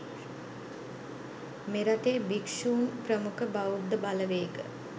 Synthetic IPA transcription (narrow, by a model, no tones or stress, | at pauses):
meɾaʈeːbikʃuːnprəmukʰəbaud̪əbaləʋeːkə̰